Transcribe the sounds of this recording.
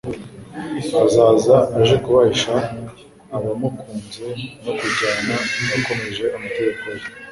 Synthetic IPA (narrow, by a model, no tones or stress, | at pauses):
azaːzaːʒekuβaiʃaː | βamokuːnzonokuɟaːnanako̞me̞ʒe̞ʔamatekaje